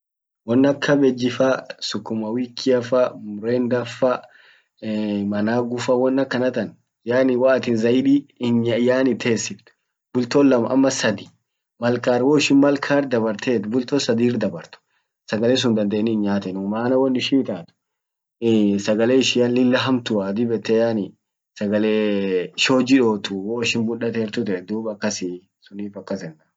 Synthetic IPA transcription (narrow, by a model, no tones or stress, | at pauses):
wɔnːɐkʰːɐbɛd͡ʒːɪfɐsʊkːʊmɐwiːkʰːɪɐfɐmʊɾeːnd̪ɐfɐ | mɐnaːɡʊfɐwɔnːɐkːɐnɐt̪ɐn | jaːnɪwaːt̪ɪnzɐɪᶑiɪnɲajaːnɪt̪ʰeːsːɪbt̪ʊ̥ | bʊlt̪oːlːɐmɐʔɐ̰mːɐsɐd̪ɪ̥ | mɐlkaːɾwoːɪʃɪnmɐlkʰaːɾd̪ɐbɐɾt̪ʰeːt̪bʊlt̪oːsɐd̪iːrd̪ɐbɐɾt̪ʊ̥ | sɐɡɐleːs̬ʊnd̪ɐnd̪eːnːɪɪnɲaːt̪ɛnʊmaːnɐwɐnɪʃɪɪt̪aːt̪ʊ̥ | sɐɡɐleːɪʃɪjɐlːɪlːɐɦɐmt̪ʊaːd̪ɪbɛt̪ːejaːnɪ | sɐɡɐleːʃo̞ːd͡ʒɪᶑoːt̪ʊwoːɪʃɪnbʊᶑɐt̪eːɾt̪ʊt̪ɛɛd̪uːbɐkːɐsɪ | sʊniːfɐkːɐsɛnːɐ